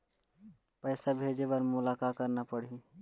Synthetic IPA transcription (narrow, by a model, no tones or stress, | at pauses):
pəɪsabʱeːd͡ʒebəɾmʊlaːkaːt̪̚kəɾnapəɽ̤i